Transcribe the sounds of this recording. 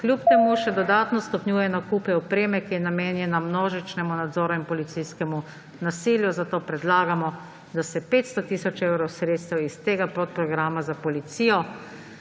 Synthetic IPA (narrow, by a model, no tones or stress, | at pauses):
klʲjupt̪ɛmuʃɛd̪ɔd̪aːt̪nɔst̪ɔpnjuːjɛnɔkupɛɔpɾeːmɛkijɛnameːnjɛnamnoːʒit͡ʃnɛmunad̪zɔːɾuinpɔlit̪sijskɛmu | nasiljuzat̪oːpɾɛd̪laːɡamɔ | d̪asɛpeːt̪st̪ɔt̪iːsɔt͡ʃewɾɔwsɾeːt̪st̪awist̪eːɡapɾɔt̪̚pɾɔɡɾaːmazapɔlit̪sijɔ